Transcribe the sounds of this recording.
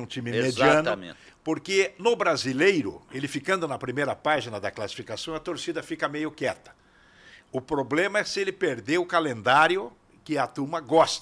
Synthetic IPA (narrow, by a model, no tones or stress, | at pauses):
ũt͡ʃ̪ĩmɪmed͡ʒiɐ̃nʊ̰̃ | poɾkenʊbɾazilejɾʊ̰elɪfikɐ̃nd̪ʊnɐpɾimejɾɐpaʒinɐd̪ɐklasi̥fikasɐ̃w̃ɐt̪oɾsid̪ɐfikɐmejʊkɛt̪ɐ̥ | ʊpɾoblẽmɐɛsɪelɪpeɾd̪eʊkalẽnd̪aɾjʊ | kɪɐt̪ũmɐɡɔst̪